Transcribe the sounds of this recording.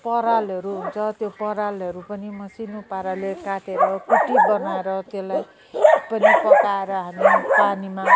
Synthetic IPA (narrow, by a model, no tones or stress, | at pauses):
pʌɾalʌɾuɦunt͡sʰʌt̪jopʌɾalʌɾupʌnimʌsinopaɾalekaʈʰeɾɾʌkuʈiɡʌnaeɾʌt̪elaj | pʌnipʌkaeɾʌɦʌnipanima